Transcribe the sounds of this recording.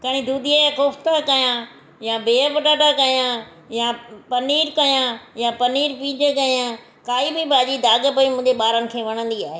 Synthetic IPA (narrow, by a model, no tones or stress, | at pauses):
kɐɽ̃ĩd̪uːd̪ijaakʊft̪akɐjã | jabeːəpɐʈaːʈakɐjã | japɐniːɾkɐjãjapɐniːɾpĩːd͡ʑəkɐjã | kaːibɪbaːd͡ʑid̪aːɡəpɐĩmʊ̃ɦɪ̃d͡ʑeɓaːɾənɪ̆kʰeːʋɐɽ̃ə̃nd̪iaːɦe